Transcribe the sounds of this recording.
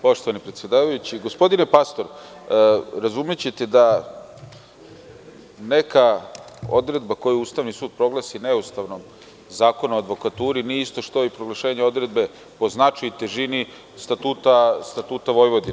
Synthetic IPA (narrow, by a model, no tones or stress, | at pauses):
po̞ʃt̪oʋanipɾet̪sje̞d̪aːʋajut͡ɕiɡospo̞d̪inepast̪o̞ɾ | ɾazumjet͡ɕet̪ed̪a | ne̞ka | o̞̰d̪ɾe̞d̪bako̞juuːst̪aʋnisuːd̪̚pɾo̞ɡlasineust̪aʋno̞m | zaːko̞nuad̪ʋo̞kat̪uːɾinieist̪o̞ʃt̪o̞ipɾoɡlˠaʃe̞ːɲeo̞d̪ɾe̞d̪be̞ | po̞znat͡ʂajut̪eʒini | st̪at̪uːt̪ast̪at̪uːt̪aʋo̞jʋo̞d̪ina